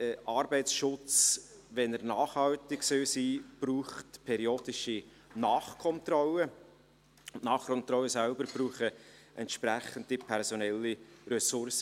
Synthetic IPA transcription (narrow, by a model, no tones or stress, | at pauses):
ʔɑːɾbɛɪsʃʊt͡s | ʋɛnəɾnɑːχhɑltɪksøsiːb̥ruːχtpʰɛɾioːd̥̪ɪʃi | nɑːχkʰɔnt̪rɔlə | ʊnɑːχkʰɔnt̪ɾɔwəsælbəɾb̥ɾuːχəʔɛntʃpɾæχənd̥ipʰɛɾsɔnɛlːiɾɛsʊrsə